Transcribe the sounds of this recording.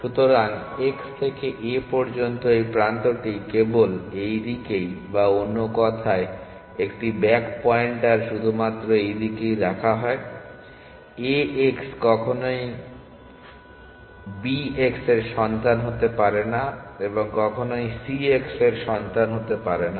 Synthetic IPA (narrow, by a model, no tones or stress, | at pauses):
ʃut̪oɾaŋekst̪ʰekeʔepɔɾd͡ʑont̪oejpɾant̪oʈikebolejd̪ikejbaonːokɔt̪ʰae | ekʈibɛkpɔeɳʈaɾʃud̪ʱumat̪ːɾoejd̪ikejɾakʰaɦɔe | eekskɔkʰonoj | biekseɾʃɔnt̪anɦot̪epaɾenaeboŋkɔkʰonojsiekseɾʃɔnt̪anɦot̪epaɾena